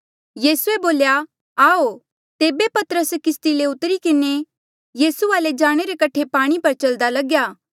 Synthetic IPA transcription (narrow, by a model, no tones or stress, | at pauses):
jiːsueboːlja | aːo | t̪eːbepɐt̪əɾəskɪst̪ileʊt̪əɾikɪne | jiːsuaːled͡ʒaːɽ̃eɾekɐʈʰepaːɽ̃ipɐɾt͡ʃɐld̪alɐɡjaː